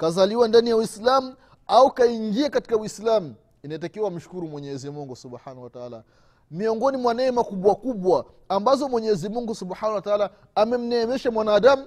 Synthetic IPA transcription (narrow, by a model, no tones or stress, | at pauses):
kazaliwandanijawislamu | aukaiŋɡiakati̥kawislamu | inaɛt̬akiwam̩ʃu̥kuɾumwɛɲɛzimuŋɡusubħanahuwataaːla | miɔŋɡɔnimwanɛːmakuɓwakuɓwaː | mbazɔmwɛɲɛzimuŋɡusubħanahwataaːlaː | mɛm̩nɛːmɛʃamwanaːɗamu